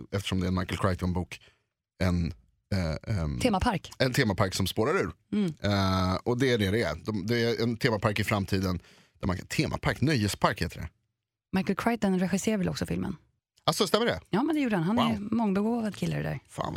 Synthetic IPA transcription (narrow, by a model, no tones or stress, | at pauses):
ɛft̪ə̥ʂɔmd̪ɛːɾɛnmajkəlkʰɾajt̪ɔnbuːk | ɛn | t̪ʰeːmapʰaɾkɛnt̪ʰeːmapʰaɾksɔmspoːɾaɾʉ̟ːɾ | ɔd̪ɛæɖɛd̪ɛæ̰d̪ɔmd̪ɛɛnt̪ʰeːmapʰaɾkɪfɾamt̪ʰiːd̪ən | d̪̥æɾma̰kt̪ʰeːmʔa̰pʰaɾknœjːəspʰaɾkheːt̪əɖɛ̰ | majkəlkʰɾajt̪ɔnɾɛɧɪseːɾavɛlɔksɔfɪlmə̰n | asɔst̪ɛmːəɖɛjɑːmɛnd̪ɛjuːɖəhanɦanɛmɔŋːbɛɡoːvad̪kʰɪlːa̰ɾd̪æ̰ɾfa̰ːn